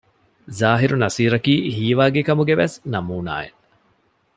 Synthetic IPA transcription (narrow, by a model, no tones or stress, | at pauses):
zaːɦiɾunɐsiːɾɐkiːɦiːʋaːɡekɐmuɡeʋesnɐmuːna̰ːḛ